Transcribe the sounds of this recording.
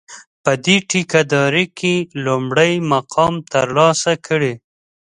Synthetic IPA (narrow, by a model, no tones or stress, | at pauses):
pəd̪eʈikad̪ɑɾikʰelʊmɽəjmaqʰɑmt̪ə̰ɾlɑsakʰəɽe